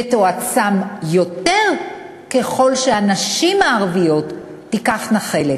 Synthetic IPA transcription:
t̪oat͡samjo̞te̞ʁ | ke̞χo̞lʃeanaʃimaːʁvijo̞tː | ikaχnaχe̞let

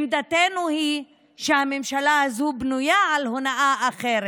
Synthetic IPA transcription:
md̪at̪enuhi | ʃehamemʃalahazubnujaʕalhonaʔaʔaχeɾe

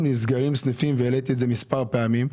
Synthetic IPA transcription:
nis̬ɡaʁimsnefimveːlet̪ietzemispaʁpeamim

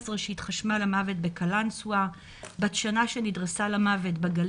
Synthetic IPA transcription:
zʁeʃeit̪χaʃmalamave̞t̚be̞kalansua | batʃanaʃenidʁesalamave̞tbaɡal

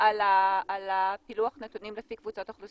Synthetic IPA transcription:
alaːlapiluaχnet̪unimlefikvut͡sot̪aχlu

